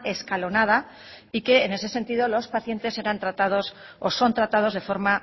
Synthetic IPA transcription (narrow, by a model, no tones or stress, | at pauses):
e̞skalo̞nað̞a | ike̞ːne̞se̞se̞nt̪iðo̞lo̞spaθje̞nt̪e̞se̞ɾant̪ɾat̪aðo̞soso̞nt̪ɾat̪að̞o̞zðe̞fo̞ɾma